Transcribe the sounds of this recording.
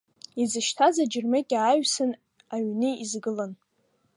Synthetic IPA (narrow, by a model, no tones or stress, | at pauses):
izɨʃtʰazad͡ʒɪrmɨkʲʼaːɥsɨn | aɥnɨizɡɨlan